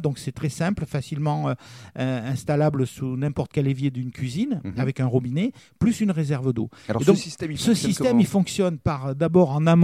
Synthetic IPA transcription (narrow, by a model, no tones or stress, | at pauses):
d̪ɔ̃ksɛt̪χɛsɛ̃plfasilmɑ̃øøɛ̃st̪alabləsunɛ̃pɔʁt̪ə̥kʲɛlevjed̪ynkʲɥizinavɛkɛ̃ʁɔbineplysynʁezɛʁvəd̪o̰ed̪ɔ̃kist̪ɛsəsisɛmilfɔ̃ksjɔnpaʁd̪abɔʁɑ̃nam